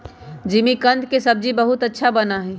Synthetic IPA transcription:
d͡ʒimikənd̪kesəb̚d͡ʒibəɦut̪ətːʃʰabənaɦɛ̃

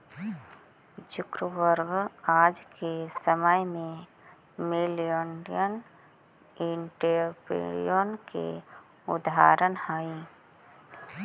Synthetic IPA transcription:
t͡ʃʊkɾəʋəɾbaːd͡ʒkesəməjmẽ | melijoɳɖijən | ɪɳʈeɾpḛɾḭjoːnkḛ | ʊd̪a̰ːɾənhaːiː

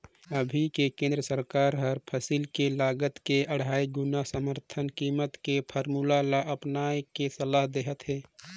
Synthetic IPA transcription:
əbʱikekẽnd̪ɾəsəɾkaːɾɦəɾpʰəsilkelaːɡət̪keʔəɽ̤aːiɡʊnasəməɾt̪ʰənkiːmət̪kepʰəɾmulalaʔəpnaːekesəlaːɦd̪eɦət̪ɦɛː

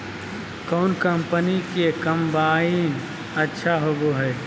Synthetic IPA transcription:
kɔːnkəmpənikekəmbaːin | ətːʃʰaɦoboɦɛj

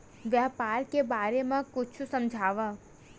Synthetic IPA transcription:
ʋjaːpaːɾkebaːɾemãkʊt͡ʃʰusɐ̃md͡ʒʱaːʋa

